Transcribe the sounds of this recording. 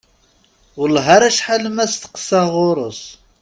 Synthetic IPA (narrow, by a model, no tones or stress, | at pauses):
wəlɦaɾæʃħalmæst̪ə̥qsɑʁʊɾˤʊs